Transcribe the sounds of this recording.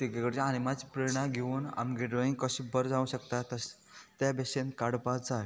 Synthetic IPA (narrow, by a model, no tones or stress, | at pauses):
t̪iɡeɡəɽt͡ɕañimat͡spɾeɾɽ̃aɡʱeuːna̰mɡeɖɾɔĩŋɡkəɕibəɾd͡zãũɕəkt̪at̪əs | t̪jabɛɕẽnkaɽpad͡zae